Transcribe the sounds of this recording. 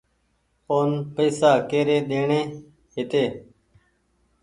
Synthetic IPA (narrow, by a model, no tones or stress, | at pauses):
oːnpəːsaːkeːɾeːɗ̪eːɳẽː | ɦɪt̪eː